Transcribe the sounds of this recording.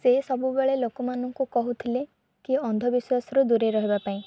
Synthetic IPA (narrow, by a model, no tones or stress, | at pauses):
sesɔbubeɭelokɔmanɔŋkukɔɦut̪ʰile | kiɔnd̪ʱɔbiswasɔɾud̪uɾeɾɔɦibapaĩ